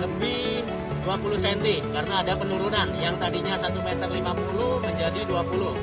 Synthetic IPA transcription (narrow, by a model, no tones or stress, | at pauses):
ləmbi | duapulusɛnt̪ikaɾənaːdapənuɾunanjaŋt̪adiɲasat̪umet̪ərlimapuluhməɲd͡ʒadiduapuluh